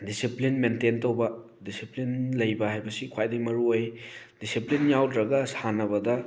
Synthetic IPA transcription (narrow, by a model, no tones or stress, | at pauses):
disiplinmententowbɐ | disiplinlɐjbɐhajbɐsikʰwajdɐmɐɾuoj | d̥isiplinjawdɾɐɡɐsanɐbɐdɐ